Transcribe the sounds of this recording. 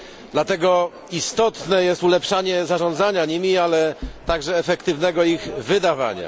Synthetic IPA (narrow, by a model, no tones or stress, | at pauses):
d̪lat̪ɛɡɔ | ist̪ɔt̪nɛjɛst̪ulɛpʂaɲɛzaʐɔ̃nd̪zaɲaɲimʲialɛt̪aɡʐɛːfɛkt̪ɘvnɛɡɔiɣvɘd̪ava̰ɲa̰